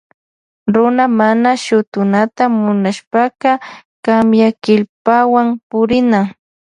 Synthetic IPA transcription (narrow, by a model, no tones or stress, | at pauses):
ɾʊnamanaʃʊt̪ʊnat̪amʊnaʃpaqɑkamjakɪʎpawampʊɾɪna